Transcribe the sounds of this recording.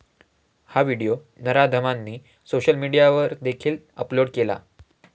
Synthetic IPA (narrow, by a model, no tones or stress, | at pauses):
haʋiɽijo | nəɾad̪ʱəmanːiː | soɕəlmiɽijaʋəɾd̪ekʰiːl | əploɽkela̰